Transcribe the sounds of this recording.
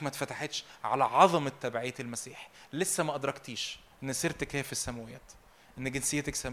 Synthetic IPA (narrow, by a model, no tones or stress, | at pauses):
mæt̪fæt̪aħet̪ʃʕa̰læʕɑðˤɑmet̪ːæbʕiːt̪elmæsiːħi̥lesːæmæʔɑd̪ɾˤɑkt̪iːʃ | ʔenːeseɾt̪ækheːæfisːæmæwejæːt̪ | ʔenːeɡensejæt̪æksæm